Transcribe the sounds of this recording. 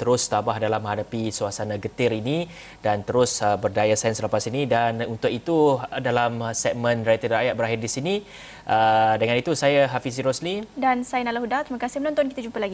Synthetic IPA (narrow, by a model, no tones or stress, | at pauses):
t̪əɾʊst̪abahdalamə̃hadapisuasanaɡət̪ɪrini | dant̪əɾʊsəbərdajasɛnsələpasinidanunt̪ʊkit̪udalamsɛk̚mə̃nrajt̪ədɾajat̪̚bəɾaɦɪrdisini | ʔədəŋãnit̪usajəɦafis̬iɾɔslidansajənalaɦudat̪ɾiməkasɪhmənont̪ɔnkit̪ad͡ʒumpəlaɡi